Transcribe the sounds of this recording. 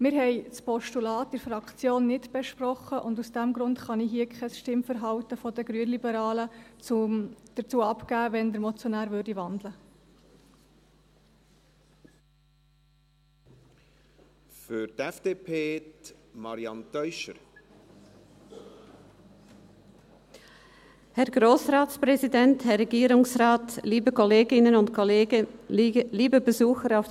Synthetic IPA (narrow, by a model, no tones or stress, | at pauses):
mɪːɾɦɛɪt͡spɔʃtulɑːtd̥ɛɾfɾɑkt͡sjoːnːɪtb̥ɛʃprɔχəʔʊndusd̥æmɡɾʊntχɑniɦiːəkʰɛsʃtɪmfəɾɦɑwt̪əfɔdəɡɾyənlibəɾɑːlət͡sʊmd̥əɾt͡suːəɑpkæːʋɛnd̪əɾmɔt͡sjɔnæːɾʋøɾdiʋɑnd̪lə | fyɾtɛfd̥eːpʰeːtmɑɾiɑnt̪œʏʃəɾ | hɛɐɡʁoːsʁaːt͡spʁɛzidɛnthɛɐʁɛɡiːɾʊŋsʁaːtliːbəkʰɔleːɡɪnənʊntkʰolːɡə | liːbəbəzuːxəɾaʊf